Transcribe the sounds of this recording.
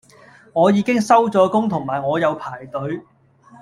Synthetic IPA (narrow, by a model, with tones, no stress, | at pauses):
ŋɔː˨˧jiː˨˧kɪ˥ŋsɐ˥wt͡sɔː˨˥kʊ˥ŋt̪ʰʊ˨˩ŋmaː˨˩jŋɔː˨˧jɐ˨˧wpʰaː˨˩jt̪ɵ˨˥ɥ